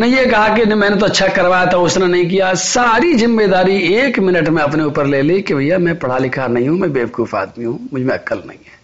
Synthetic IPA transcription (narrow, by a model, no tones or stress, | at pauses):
nẽjekɐɦakenmɛ̃ːnet̪oɐtːʃʰakɐɾʋaːjat̪ʰaʊsnenɐɦĩk̬ijasaːɾizɪmːed̪aːɾieːkmɪnəʈmẽɐpneuːpəɾleːlekebʱɐɦijamɛ̃pɐɽ̤alɪkʰanɐɦĩɦũmɛ̃ːbeːʋkuːfa̰ːd̪miɦũmʊd͡ʒʱmẽɐkəlnɐ̰ɦḭ̃ɦɛː